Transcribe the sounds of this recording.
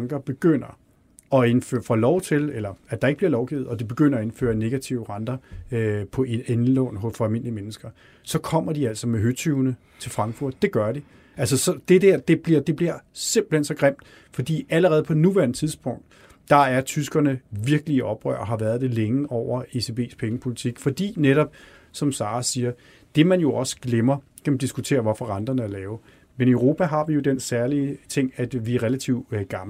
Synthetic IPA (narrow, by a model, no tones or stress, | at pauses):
ŋɡ̥ɐb̥e̝ɡ̥øn̰ɐ | ɒ̽e̝nfø̰ɐfɒ̰lɒʊt͡sʰe̝lelɐæd̥ɑ̈eɡ̥əb̥liɐlɒʊɡ̥ḭːð̩ˠɒ̽d̥ib̥e̝ɡ̥øn̰ɐɒ̽e̝nfø̰ːɐne̝ɡ̥æt͡sʰiʊəʁɑ̈nd̥ɐ | pʰɒ̽eenlɔ̰ːnɦɔfɒælme̝n̰limenəsɡ̥ɐ | sɒ̽kʰɒ̽m̰ɐd̥iæl̰sɒmeɦøt͡sʰyʊnə | t͡sʰe̝lfʁɑ̈ŋɡfuɐ̰d̥ːe̝ɡ̥ɶɐɾi | æls̬əsɒ̽d̥e̝d̥eɐ̰d̥e̝b̥liɐ̰d̥e̝b̥liɐse̝m̰b̥l̩hensɒ̽ɡ̥ʁem̰d̥ | fɒ̽d̥ḭːæləʁɛːð̞̩ˠpʰɒ̽nuʋæɐnət͡sʰiðˠsb̥ɔ̽ŋ̰d̥ | d̥ɑ̈æɐt͡sʰysɡ̥ɐnəʋiɐɡ̥əliɒ̽b̥ʁœ̰ɐ̰ɒɦɑ̈ʋæːɐð̞ˠd̥e̝leŋəʔɒʊ̰ɐe̝se̝b̥e̝̰ːspʰeŋəpʰo̝lit͡sʰiɡ̥fɒ̽d̥ḭːneɾɒ̽b̥ | sɒ̽msɑ̈ːsiːɐ | d̥e̝mænjo̝ʔɒ̽sə̥ɡ̥lemɐ | kʰæmd̥isɡ̥ut͡sʰe̝̰ːɐʋɒfɒ̽ʁɑnd̥ɐnəælɛːʊ | menøʊʁo̝ːpʰæɦɑ̈ʋijo̝d̥ensæɐliət͡sʰe̝ŋ̰æd̥ʋiæʁelæt͡sʰiʊdɡ̥ɑ̈ml